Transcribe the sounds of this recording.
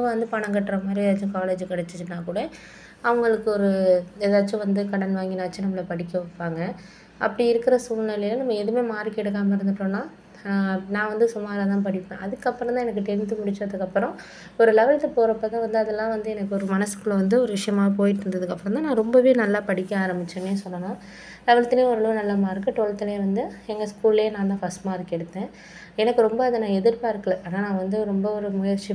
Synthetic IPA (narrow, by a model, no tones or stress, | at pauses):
ɐʋɐnd̪ɯpɐɳɐŋɡɐʈːɾɐmaːd̪ɾiðaːt͡ʃːʊ̃kaːled͡ʒkɐɽɛt͡ʃːɯt͡ʃːɯnãːkuːɽɐ | ɐʋɐŋɡɐɭɯkːɯɔɾɯeːðaːt͡ʃːʊ̃ʋɐnd̪ɯkɐɽɐnʋaːŋɡɪnaːɐt͡ʃːɯnɐmːɐɭɐpɐɽɪkːɐʋɔpːaːŋɡɐ | ʔɐpːɐɽiɪɾɯkːɪɾɐsuːlnɐlɐlːɐnɐmːɐɛðɯmeːmaːɾikɛɽɯk̬ːaːmɐɪɾɯnd̪ɯʈːõːnãː | nãːʋɐnd̪ɯsʊmaːɾat̪ãːpɐɽɪkːḛ̃ʔɐðɯkːɐpːɯɾɐ̃t̪ãːɛnɐkːɯʈɛnt̪ɯmʊɽɪt͡ʃːɔ̃ɐðɯkːɐpːɯɾɔ̃ | ɔɾɯlɛʋɐɭt̪ːɐpoːɾɐpːɐːt̪ãːʋɐnd̪ɯɐðɛlːãːʋɐnd̪ɯɛnɐkːɯɔɾɯmɐnɐsɯ̥kːɯɭːɐʋɐnd̪ɯɔɾɯʋɪʂɐjɐmaːɐpoːjɪʈ̬ːɯɾɯnd̪ɐðɯkːɐpːɯɾɔ̃mt̪ãːnãːɾɔmbɐʋeːnɐlːaːpɐɽɪkːɐaːɾɐmbɪt͡ʃːɐnːeːsɔlːɐnãː | lɛʋɐɭɐt̪ːɪleːɔɾɯlunɐlːaːmaːɪɾɯkːɯʈoːɭt̪ːɪleːʋɐnd̪ɯɛŋɡɐskuːleːnãːt̪ãːfɐsʈmaːɪɾɯkːɛɽɯt̪ːẽː | ɛnɐkːɯɾɔmbɐɐðɯnãːɛðɪɾpaːɪɾɯkːɐɭɛ̃ʔɐːnaːnãːʋɐnd̪ɯɾɔmbɐɔɾɯmʊjɐɾt͡ʃːi